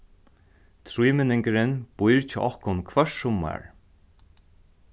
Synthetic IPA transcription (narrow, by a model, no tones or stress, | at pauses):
t̪ʰɾujmɪnɪŋkɪɾɪnb̥ʊjɹt͡ʃɪ̰ʔɔhkʊnkʰvœʂsʊmːa̰ɹ